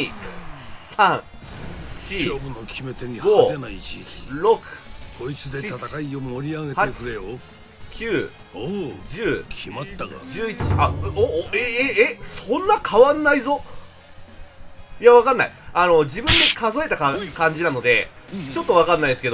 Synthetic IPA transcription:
ɲi | sãŋ | ɕiobɯnokʲʰime̞t̪eɲiɡoenait͡ɕiɾo̞kɯ̟̥kʰoit͡sɨd̪eaakaiooɾʲiaɡehaet͡ɕkɯɾejo | kʲɨː | d͡ʑɨːkʲʰimat̪ːaɡa̰d͡ʑɨːit͡ɕi̥a | eeːsõ̞nːakʰaβãnːaizo̞ | ijaβakanːaiano̞d͡ʑibɯ̟̃nd̪ekazo̞e̞t̪akakãɲ̟d͡ʑinano̞d̪e̞t͡ɕo̞t̪ːo̞βakanːaid̪esɨke̞d̪o

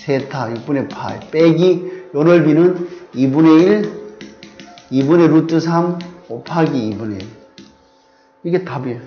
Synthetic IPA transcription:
sʰetʰajik̚p͈unepʰa̰ḛp͈eɡijʌnʌɭbinɯnibuneil | ibuneɾut͈ɯsʰamopʰaɡiibunḛ | iɡetabe

